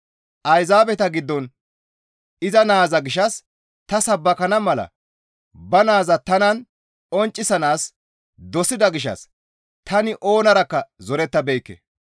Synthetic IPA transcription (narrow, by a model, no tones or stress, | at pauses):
ʔɐjzaːbɛt̪ɐɡɪd̪ːɔn | ɪzɐnaːzɐɡɪʃɐs | t̪ɐsɐbːɐkɐnɐmɐlɐ̰ | bɐnaːzɐt̪ɐnɐn | ɔnt͡ʃʼːɪsɐnaːs | d̪ɔsɪd̪ɐɡɪʃɐ̰s | t̪ɐnɪʔo̞ːnɐɾɐkːɐzɔɾɛt̪ːɐbɛjkːɛ̰